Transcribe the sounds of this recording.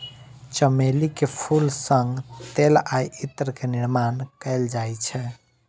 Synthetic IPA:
t͡ʃəmelikepʰulsəŋɡt̪elajit̪ɾəkeniɾmankɛld͡ʒajt͡ʃʰɛ

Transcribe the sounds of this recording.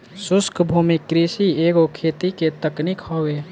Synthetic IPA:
sʊskʰbʱuːmikːɾisieːɡokʰeːt̪iket̪əknɪkhoːweː

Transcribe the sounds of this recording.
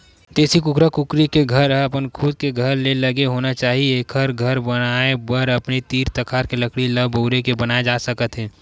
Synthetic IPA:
t̪eːsikʊkɾakʊkɾikeɡʱəɾɐpənkʰʊd̪̚keɡʱəɾleləɡeɦoːnat͡ʃaːɦieeːkʰəɾɡʱəɾbənaebəɾəpnet̪iːɾt̪əkʰaːɾkeləkɽiləboːɾekebənaed͡ʒasəkət̪ɦɛ̃ː

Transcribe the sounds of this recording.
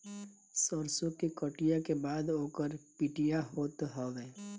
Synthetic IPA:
sɔɾsokekəʈijakebaːd̪oːkəɾpiʈijaɦoːt̪ɦɔʋeː

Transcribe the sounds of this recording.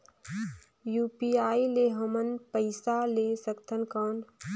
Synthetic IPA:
juːpiːaːileɦəmənpəɪsaleːsəkt̪ʰənkaːn

